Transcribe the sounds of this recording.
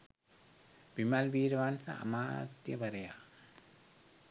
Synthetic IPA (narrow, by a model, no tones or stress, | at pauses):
ʋimɐlʋiːɾɐʋansɐ̰ʔɐ̰maːt̪jɐʋɐɾɐjaː